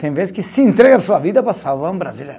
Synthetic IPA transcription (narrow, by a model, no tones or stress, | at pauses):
t̪ẽj̃vezɪskɪsɪẽnt̪ɾɛɡɐsuɐvid̪ɐpɾɐsawvaɾ̃bɾazileɾ